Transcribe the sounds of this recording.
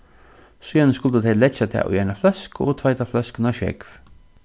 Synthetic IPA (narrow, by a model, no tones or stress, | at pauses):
syjanəskʊlt̪ət̪ʰɛɪlɛt͡ʃːat̪ʰɛ̰ːʔʊ̰jaɪnaflœskɔ̰ːt̪ʰvaɪt̪aflœskənaʃɛ̰kv